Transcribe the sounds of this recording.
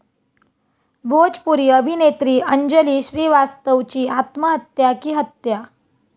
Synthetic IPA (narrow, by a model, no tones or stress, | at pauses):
bʱod͡ʑpuɾiːəbʱinet̪ɾiːəɲd͡ʑəliːɕɾiːʋast̪əʋt͡ɕiːat̪məɦət̪jakiːɦət̪ja